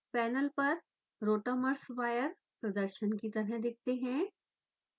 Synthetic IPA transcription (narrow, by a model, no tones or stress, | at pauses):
pɛːnəlpɐɾ | ɾoːʈəməɾsʋaːjəɾ | pɾɐd̪əɾʃənkit̪ɐɾɦɛɦd̪ɪk̚ʰt̪eɦɛ̃ː